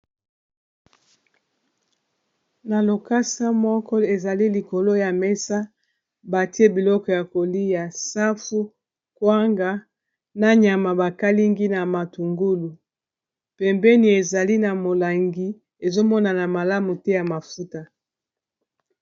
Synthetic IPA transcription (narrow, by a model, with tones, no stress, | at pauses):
na˨lo˨ka˦sa˦mɔ˦kɔ˦e˨za˨li˦li˨ko˨lo˦ja˨mɛ˦sa˦ | ba˨ti˦e˦bi˨lɔ˦kɔ˨ja˨ko˨li˦ja˨sa˦fu˦ | kwa˦ŋɡa˦ | na˦ɲa˨ma˨ba˨ka˦li˦ŋɡi˦na˨ma˨tu˨ŋɡu˦lu˨ | pɛ˨mbɛ˦ni˨e˨za˨li˦na˨mo˨la˨ŋɡi˦ | e˨zo˦mɔ˦na˨na˨ma˨la˦mu˨tɛ˦ja˨ma˨fu˦ta˦